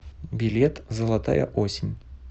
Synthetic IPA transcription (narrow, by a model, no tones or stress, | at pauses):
bʲilʲet̪zəlˠat̪a̰jɐ̰ʔosʲɪnʲ